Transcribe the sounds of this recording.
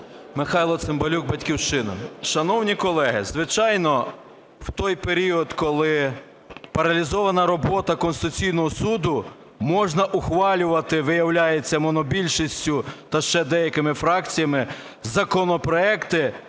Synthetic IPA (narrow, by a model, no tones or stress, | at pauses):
mɪxɑjlˠɔsɪmbɔlʲuɡ̚bɐtʲkʲiwʃt͡ʃɪnɐ̰ʃɐnɔwnʲikɔlˠɛɦɪzʋɪt͡ʃɑjnɔ | w̥t̪ɔjpeɾʲiɔd̪kɔlˠɪ | pɐɾɐlʲizɔʋɐnɐɾɔbɔt̪ɐkɔnsɪt̪ʊt͡sʲijnɔɦɔsud̪ʊ | mɔʒnɐʔʊxʋɑlʲʊʋɐt̪ɪʋɪjɐwlʲajet͡sʲːɐmɔnɔbʲilʲʃisʲtʲʊt̪ɐʃt͡ʃɛd̪ɛjɐkɪmɪfɾɑkt͡sʲijɐmɪ | zɐkɔnɔpɾɔɛkt̪ɪ